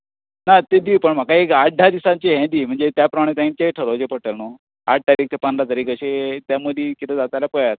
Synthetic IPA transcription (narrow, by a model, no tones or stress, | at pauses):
nat̪ed̪ipəɳm̤akaekaʈ̚ɖʱad̪isãɲt͡ɕeɦɛ̃d̪im̤əɳd͡zet̪japɾəmaɽ̃et̪ãĩnt͡ɕeʈʰəɾod͡ʑepəɽʈəlno | aʈ̚ʰt̪aɾiːk̚t̪epənd̪ɾat̪aɾiːkəɕet̪jaməd̪ʱikit̪ẽd͡zat̪ajlapəjat̪